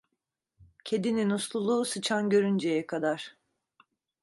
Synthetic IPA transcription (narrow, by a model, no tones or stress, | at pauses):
cʰe̞d̪ininuslˠulˠuːsɯt͡ʃʰanɟø̞ɾynd͡ʒejɛkʰad̪aɾ̥